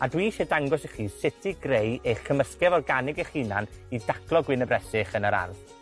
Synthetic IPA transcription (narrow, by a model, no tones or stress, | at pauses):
adwiːʃɛdaŋɡɔsiχiːsɪtʰɪɡrejejχkʰəməskɛvɔrɡanɪɡɛχina̰n | idakʰlˠɔɡwɪnəbrɛsɪχənəɾa̰n